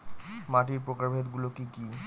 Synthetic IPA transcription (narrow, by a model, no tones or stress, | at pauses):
maʈiɾpɾokaɾbʱet̪ɡulokiki